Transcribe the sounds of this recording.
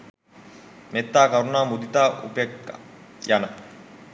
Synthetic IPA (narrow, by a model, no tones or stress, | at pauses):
met̪ːaːkɐɾunaːmud̪it̪aːṵpekjanɐ